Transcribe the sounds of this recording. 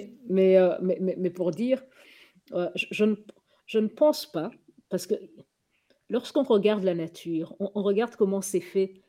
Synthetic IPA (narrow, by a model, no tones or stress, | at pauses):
mɛømɛmɛmɛpuʁd̪iːʁ | øʒəʒənəp | ʒ̥ənəpɑ̃spa | paʁsə̥kə | lɔʁsə̥kɔ̃ʁəɡaʁd̪lanat̪ʰyːʁɔ̃ʔːʁəɡaʁd̪kɔmɑ̃sɛfɛ